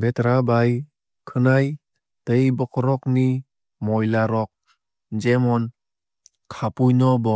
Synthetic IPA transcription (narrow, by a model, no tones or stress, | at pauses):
betɾabaj | kʰɯnaj | təjbɔkʰɔɾɔk̚ni | mɔjlaɾɔk̚ | d͡ʒemɔn | kʰapujnɔbɔ